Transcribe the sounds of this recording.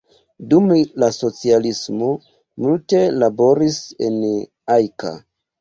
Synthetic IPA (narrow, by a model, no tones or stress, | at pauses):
dumlaso̞t͡sialismo | multe̞labo̞ɾisḛn | ajka̰